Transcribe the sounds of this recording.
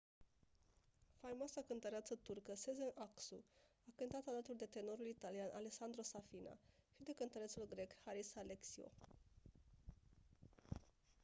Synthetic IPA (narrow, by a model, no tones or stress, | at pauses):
farmoasakənt̪əɾeat̪sət̪urkəsezenʔaksu | akɨnt̪at̪alat̪uld̪e̞t̪e̞no̞ɾulit̪alianʔaleksand̪ɾo̞safina̰ʃid̪e̞kənt̪əɾesulɡɾe̞khaɾisaleksio̞̰